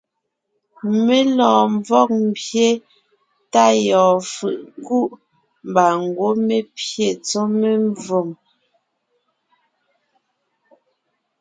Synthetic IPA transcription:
me˦lɔ̃ː˨ɱvɔ˦˨k̚m̩˦˨bje˦ | ta˦˨jɔː˨fɯ˨ʔku˦ʔ | m˨ba˨ŋ˨ɡwo˦me˦pje˨t͡so˦me˦ɱvo˨m

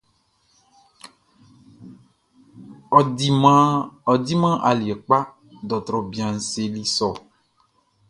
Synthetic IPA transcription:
ɔ˨i˨mã˦ɔ˨d̪i˦mã˦ʔa˨li˨ɛ˨k͡pa˦ | dɔ˨t̪ɾɔ˨bi˨a˨ŋ̩˨se˨li˦sɔ˨

